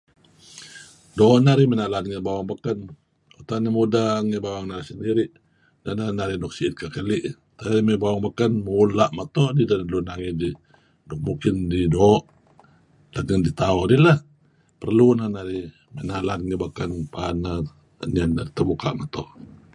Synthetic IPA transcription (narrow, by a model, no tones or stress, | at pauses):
dɔʔnaɾimənalanŋəbawaŋbakan | ut̪anəmudaŋəbawaŋnaɾisəndiɾiʔ | dananaɾidɔk̚siːt̪̚kakəliʔ | t̪aɾimebawaŋbakənmulaʔmat̪ɔʔdidanlunaŋidi | dɔk̚mukɪndidɔʔ | laɡədit̪aɔdilah | pərlunanaɾi | mənalanŋəbakanpana | ɲanat̪əbuka̰ʔmat̪ɔʔ